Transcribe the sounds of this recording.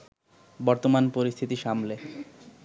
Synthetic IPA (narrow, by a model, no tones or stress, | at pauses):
bɔɾt̪omanpoɾist̪ʰit̪iʃamle